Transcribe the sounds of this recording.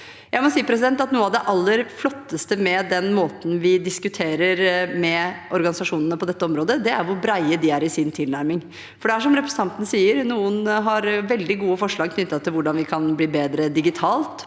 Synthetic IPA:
jæɪmɔsiːəpʰɾɛs̬ɪd̪ɛnt̪ɑt̪nuːɑʋd̪ɛʔɑlːəɾflɔt̪ːəst̪əmɛd̪ɛnmoːt̪n̩ʋɪd̪ɪskʉt̪ʰeːɾəɾmɛʔɔɾɡɑnɪsɑʂuːnənəpʰɔd̪ɛt̪ːəɔmɾoːd̪əd̪ɛæɾʋʊɾbɾæɪəd̪ɪæɾɪsɪnt̪ʰɪlnæɾmɪŋ | fɔɖɛæʂɔmɾɛpɾɛsn̩t̪ɑnt̪ənəsiːəɾnuːənɦɑɾʋɛld̪ɪɡuːəfɔʂɭɑːɡ̚kʰnʏt̪ːɑt̪ʰːɪlʋʊɖɑnʋɪkʰɑnbliːbeːd̪ɾəd̪ɪɡɪt̪ʰɑːlt̪

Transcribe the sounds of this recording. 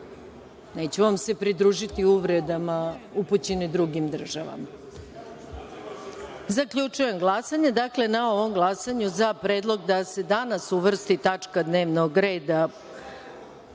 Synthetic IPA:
ne̞ːt͡ɕuʋamse̞pɾid̪ɾuːʒit̪iuʋɾed̪amauput͡ɕenid̪ɾuɡimd̪r̩ʒaʋa̰ma | zakʎut͡ʂuje̞mɡlˠasaɲe̞d̪akle̞nao̞ʋo̞mɡlˠasaɲuzapɾeːd̪lˠo̞ɡd̪ase̞d̪anasuʋr̩st̪it̪at͡ʂkad̪ne̞ːʋnoɡɾe̞ːd̪a

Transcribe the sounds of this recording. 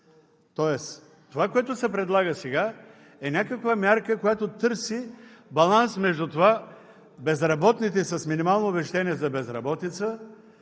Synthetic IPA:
t̪ɔɛs | t̪ːovakoɛt̪ʊsɛpɾɛd̪lˠaɡəsɛɡa | ɛnʲakəkvamʲaɾkəkojat̪ot̪ɤɾsibɐlˠansmɛʒd̪ut̪ova | bɛzɾɐbɔt̪nit̪ɛsɐsminimalˠnoːbɛʃt̪aniɛzɐbɛzɾɐbɔt̪it̪sə

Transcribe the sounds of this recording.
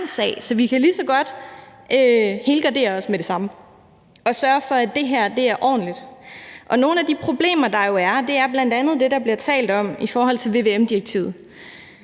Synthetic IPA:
nsɛ̰ːɪsɒ̽ʋikʰælisɒ̽ɡ̥ɒ̽d̥ʔøhe̝ːlɡ̥ɑ̈d̥e̝̰ːɐɒ̽smed̥e̝sɑ̈mə | ɒ̽sɶːɐfɒ̽æd̥e̝ɦæɐ̰d̥e̝æɐʔɒ̰ːn̩lid̥ʔɒ̽no̝ːn̩æd̥ipʰʁo̝b̥le̝̰ːmɐd̥ɑ̈jo̝æɐd̥e̝æɐb̥læn̰d̥ænð̞̩ˠd̥e̝d̥ɑ̈b̥liɐt͡sʰɛ̰ːld̥ɒ̽m̰ifɒːhɦɒ̽l̰t͡sʰe̝lʋe̝ʋe̝emd̥iʁɐɡ̥̚t͡sʰḭːʊð̩ˠ

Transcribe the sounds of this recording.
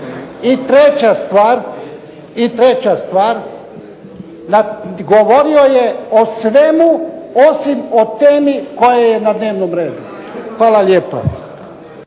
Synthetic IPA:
it̪ɾet͡ɕast̪ʋaːɾ | it̪ɾet͡ɕast̪ʋaːɾ | naɡoʋo̞ɾio̞jeosʋe̞muosimo̞t̪eːmiko̞jejenad̪ne̞ːʋnomɾeːd̪u | xʋaːlalʲjeːpo̰

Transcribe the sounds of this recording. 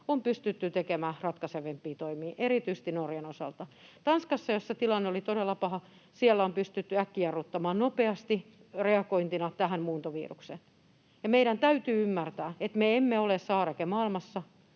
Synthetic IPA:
ompyst̪yt̪ːyt̪ekemæːrɑt̪kɑseʋempːiːt̪oimiːʔeɾit̪yist̪inorjenosɑ̰lt̪ɑt̪ɑnskɑsːɑjosset̪ilɑnːeolit̪oɾelːɑpɑhɑ | sielːæompyst̪yt̪ːyækːiɑrːut̪ːɑmɑːnnopeɑst̪i | reɑkoint̪inɑt̪æɦæmmuːnt̪oʋḭːrukse | jɑmeiɾænt̪æyt̪yːymːært̪æːet̪meemːeolessɑːrɑkemɑilmɑsːɑ

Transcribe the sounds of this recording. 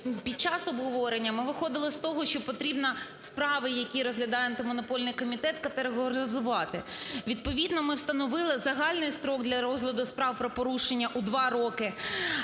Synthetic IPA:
pʲid̪̚t͡ʃɑsɔbɦɔʋɔɾenʲːɐmɪʋɪxɔd̪ɪlˠɪst̪ɔɦɔʃt͡ʃɔpɔt̪ɾʲibnɐspɾɑʋɪjɐkʲiɾɔzɦlʲɐd̪ɑjɛɐnt̪ɪmɔnɔpɔlʲnɪjkɔmʲit̪ɛt̪kɐt̪eɾeɦɔɾɪzʊʋɑt̪ɪʋʲid̪̚pɔʋʲid̪nɔmɪwst̪ɐnɔʋɪlˠɪzɐɦɑlʲnɪjst̪ɾɔɡ̚d̪lʲɐɾɔzɦlʲˠɐd̪ʊspɾɑwpɾɔpɔɾuʃenʲːɐʔud̪ʋɑɾɔkɪ

